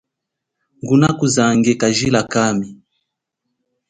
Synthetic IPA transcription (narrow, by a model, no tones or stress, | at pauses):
ŋɡunakuzaŋɡɛkaʒilakami